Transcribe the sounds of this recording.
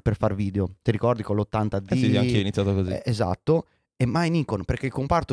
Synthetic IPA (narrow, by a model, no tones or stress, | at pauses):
perfarviːd̪eot̪iɾikɔrd̪ikolot̪ːant̪ad̪iiakɛinit̪sːjaːt̪okozieza̰t̪ːo | emːajnikonpeɾk̟eilkompart̪o